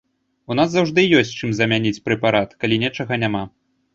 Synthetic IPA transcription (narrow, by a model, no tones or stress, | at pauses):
un̪as̬zawʐd̪ɨjɔsʲt͡sʲt͡ʂɨmzɐmʲanʲit͡sʲpɾɛpaɾat̪kalʲinʲɛt͡ʂɐɣɐnʲama